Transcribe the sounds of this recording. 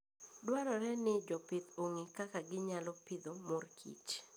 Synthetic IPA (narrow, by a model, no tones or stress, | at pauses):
dwaɾɔɾɛnɪd͡ʒɔpɪt̪oŋikakaɡɪɲalɔpɪd̪omorkʰḭt͡ʃ